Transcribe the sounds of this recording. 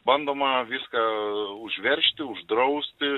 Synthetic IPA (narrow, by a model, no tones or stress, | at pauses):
bɐnd̪oːmɐʋʲɪskɑːʊʒʲʋʲɛɾʲʃʲt̪ʲɪʊʒd̪ɾɐʊsʲt̪ʲɪ